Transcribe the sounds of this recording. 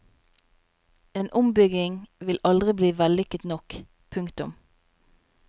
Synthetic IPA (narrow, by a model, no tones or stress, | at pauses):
eːnʔʊmbʏɡɪŋʋɪlʔɑld̪ʁɪbliːʋɛlʏkət̪nɔk | pʰʉŋkt̪ʊm